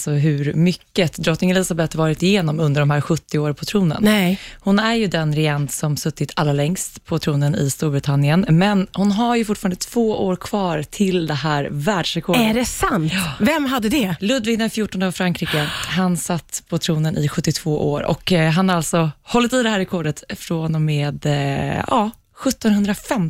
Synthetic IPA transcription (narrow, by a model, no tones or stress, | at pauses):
sɔɦʉɾmʏkːət̪d̪ɾɔt̪ːnɪŋɛlɪsabɛt̪ːvɑːɾɪt̪ɪjeːnɔmɵnd̪əɖɔmɦæːɾɧɵt̪ːɪoːɾpʰɔt̪ʰɾuːnə̰nhʊnæɾjɵd̪ɛnɾɪɛnt̪sɔmsɵt̪ːɪt̪ʰalːɾalɛŋst̪pʰɔt̪ʰɾuːnənɪ̰st̪uːɾbɾɪt̪ʰanɪənmɛnhʊnɦaɾjɵfʊʈfɑɾand̪ət̪ʰv̥oːʔoːɾkʰv̥ɑːɾt̪ʰɪld̪ɛhæːɾvæːɖʂɾɛkʰɔːɖɖɛsant̪ːvɛmɦad̪ːəd̪ɛlɵd̪vɪɡd̪ɛnfjuːʈːɔnavfɾaŋkɾiːkəɦansat̪ːpʰɔt̪ʰɾuːnənʔɪɧɵt̪ːɪt̪ʰv̥oːʔo̰ːɾʔɔ̰kɦanalt̪sɔhɔlːət̪id̪ɛhæːɾːɛkʰɔɖət̪fɾonɔmeːd̪ɑ̰ː | ɧɵt̪ːɔnhɵnd̪ɾafɛm